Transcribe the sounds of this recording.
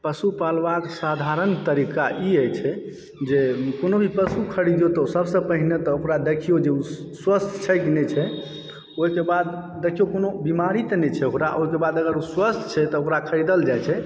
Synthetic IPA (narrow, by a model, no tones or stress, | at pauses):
pəsupalʋaksad̪ʱaɾənt̪əɾikaʔiəjt͡ʃʰɛ | d͡ʒekonobʱipəsukʰəɾid̪jot̪ɔsəbsə̃pəɦinet̪ɔokɾad̪ekʰijod͡ʒeuswəst̪ʰt͡ʃʰɛkinɛt͡ʃʰɛ | oɦikebad̪ː | ekʰijokonobimaɾit̪nɛt͡ʃʰɛokɾa̰ʔoɦikebad̪əɡəɾuswəst̪ʰt͡ʃʰɛt̪ɔokɾakʰəɾid̪əld͡ʒajt͡ʃʰɛ